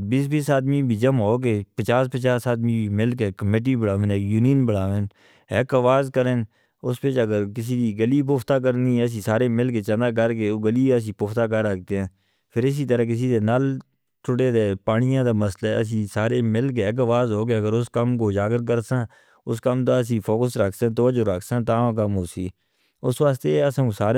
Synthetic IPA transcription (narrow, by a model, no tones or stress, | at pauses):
biːsbiːsaːd̪miːbʱiːd͡ʒəmɦoːkeːpət͡ʃaːspət͡ʃaːsaːd̪mĩːbiːmɪlkeːkəmeːʈ̬iːbəɽaːʋẽnɛjuːniːnbəɽaːʋẽːn | ɪkəʋaːzkəɾeːn | ʊspɪt͡ʃəɡəɾkɪs̬iːd̪iːɡəliːp̬ʊːft̪aːk̬əɾniːəs̬ĩːsaːɾeːmɪlk̬eːt͡ʃənaːk̬əɾkeːoːɡəliːəs̬ĩːpʊːft̪aːkəɾək̚t̪eːɦɛ̃ː | pʰɪɾɪs̬iːt̪əɾək̬ɪs̬iːd̪eːnaːl | t͡ʃʰʊɽeːd̪eːpaːnɪjãːd̪aːməslaɛ̰əs̬ĩːsaːɾeːmɪlk̬eːɪk̬əʋaːzɦoːk̬eːəɡəɾʊskəmkoːd͡ʒaːɡəɾk̬əɾsãː | ʊskəmt̪̬aːəs̬ĩːpʰoːkəsɾəkʰsãːt̪əʋəd͡ʒʊɾəkʰsãːt̪aːãk̬əmɦoːsiː | ʊsʋaːst̪eːəsãːsaːɾ